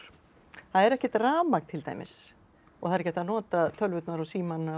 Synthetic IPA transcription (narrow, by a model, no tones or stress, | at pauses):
θaðɛɾɛhcɪt̪raːmak̪t̪ʰɪlt̪a̰jmɪ̰s | ɔɣhθaðɾcɛht̪anɔːt̪at̪ʰœlvʏt̪naɾɔsiːmanːa